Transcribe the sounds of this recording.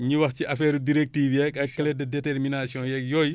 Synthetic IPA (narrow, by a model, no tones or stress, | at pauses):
ɲuwɐxciʔɐfɛːɾudiɾek̚tiːfjɛkɐkːɛlɛdɐdɛtɛɾminasiɔ̃jɛk̚jɔːj